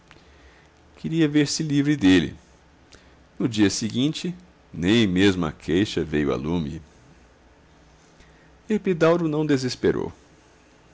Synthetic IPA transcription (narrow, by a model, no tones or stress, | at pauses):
kʰɪɾiɐveɾsɪlivɾɪd̪elɪ̰ | nʊd͡ʒiɐsiɡĩt͡ʃɪ | nẽj̃mezmɐ̰kʰejʃɐvejʊa̰lũmɪ̰ | epid̪awɾʊnɐ̃w̃d̪ezespeɾo̰w